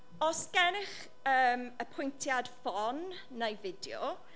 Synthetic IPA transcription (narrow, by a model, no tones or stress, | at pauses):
ɔsɡ̥ɛnɪχ | əːməpʰʊjntʰjad̥fɔnː | ajvɪdjɔ̰